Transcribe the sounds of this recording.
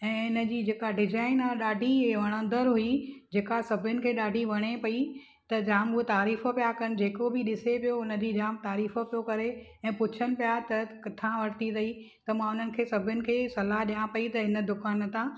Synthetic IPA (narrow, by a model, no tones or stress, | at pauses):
ɛ̃ːɪnə̆d͡ʑiːd͡ʑeːkaɖɪd͡ʑaːɪnaːɗaːɖʱiɦeʋɐɽ̃ə̃nd̪əɾɦʊid͡ʑeːkasɐbʱʊnɪ̆kʰeːɗaːɖʱiʋɐɽ̃epɐi | t̪ɐd͡ʑaːmʊɦet̪aːɾiːfəpijakɐnɪ̆d͡ʑeːkobɪɗɪsepijoʊnə̆d͡ʑiːd͡ʑaːmt̪aːɾiːfəpijokɐɾe | ɛ̃ːpʊt͡ɕʰənɪ̆pijat̪ɐkɐt̪ʰãʋɐɾt̪ʰid̪ɐi | t̪ɐmãʊn̤ənɪ̆kʰeːsɐbʱʊnɪ̆kʰeːsɐlaɦɗijãpɐit̪ɐɦɪnə̆d̪ʊkaːn̆t̪ãː